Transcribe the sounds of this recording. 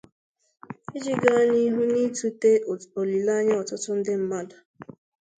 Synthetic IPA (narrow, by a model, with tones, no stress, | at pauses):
i˦d͡ʒi˦ɡa˦ni˦ɦu˦ni˦tu˦te˦˨o˨li˨la˦ɲa˦ɔ˨tʊ˦tʊ˦n̩˦dɪ˦m̩˦ma˦dʊ˨